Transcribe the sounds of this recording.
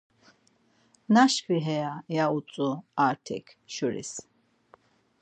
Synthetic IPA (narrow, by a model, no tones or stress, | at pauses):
naʃkiɦɛjajaut͡sʼuaɾt̪ʰɛ̰kʰʃuɾḭs